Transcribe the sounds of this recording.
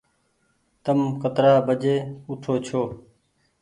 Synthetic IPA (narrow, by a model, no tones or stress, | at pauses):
t̪əmkət̪ɾaːbəd͡ʒeːʊt̪ʰoːt͡ʃʰoː